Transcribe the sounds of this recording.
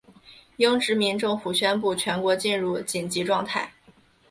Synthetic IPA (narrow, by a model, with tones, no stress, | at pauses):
jɤ˥ŋʈ͡ʂɻ̩˧˥mi˧˥nʈ͡ʂʊ˥˩ŋfu˨˩ɕɥɛ˥npu˥˩t͡ɕʰɥɛ˧˥nkwɔ˧˥t͡ɕi˥˧nɻu˥˩t͡ɕi˨˩nt͡ɕi˧˥ʈ͡ʂwɑ˥˧ŋt̪ʰa˥˩ɪ